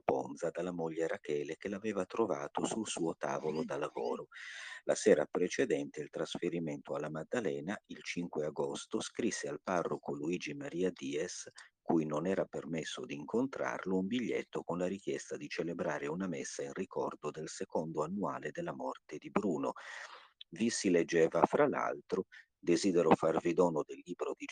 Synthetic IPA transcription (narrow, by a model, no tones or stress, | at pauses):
pond̪zad̪alːamoʎːeɾakɛːlekelavɛːvat̪ɾovaːt̪osulsuːot̪a̰ːvolod̪alavo̰ːɾolasɛːɾa̰pɾet͡ʃed̪ɛnt̪eilt̪ɾasfeɾiment̪oalːamad̪ːalɛːnailt͡ʃiŋkweaɡost̪oskɾisːealparːokoluiːd͡ʒimaɾiːad̪iːɛskujnonɛːɾapermesːo̰d̪iːŋkʰont̪ɾa̰rloumbiʎːḛt̪ːokonlaɾik̟jɛst̪ad̪it͡ʃelebɾaːɾeunamesːainrikɔrd̪od̪elsekond̪oanːua̰ːled̪elːamɔrt̪ed̪ibɾuːno̰ | visiled͡ʒːɛːvafɾala̰lt̪ɾo | d̪eziːd̪ɛɾofarvid̪ɔːnod̪elːiːbɾod̪i